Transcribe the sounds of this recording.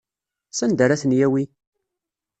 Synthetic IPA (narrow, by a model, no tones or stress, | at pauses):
sænd̪aɾæθənjæwi